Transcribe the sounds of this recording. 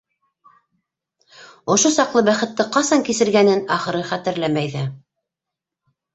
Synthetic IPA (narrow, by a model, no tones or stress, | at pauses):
ŏʃosɑqlˠɤbæχɘ̆t̪ːɘqɑsɑŋkisɘ̆ɾɡænɘnɑχɤ̆ɾɤχæt̪ɘ̆ɾlæmæjðæ